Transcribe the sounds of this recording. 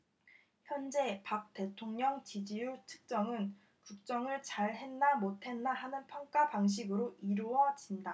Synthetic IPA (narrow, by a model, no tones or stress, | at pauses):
çjʌnd͡ʑe̞pak̚t͈e̞tʰoŋɲʌŋt͡ɕid͡ʑijutʰɯ̥k̚t͡ɕ͈ʌŋɯn | kuk̚t͡ɕ͈ʌŋɯɭt͡ɕaɭhe̞nːamotʰe̞nːaɦanɯnpʰjʌŋk͈apaŋɕ̬ʰiɡɯɾoʔiɾuʌd͡ʑinda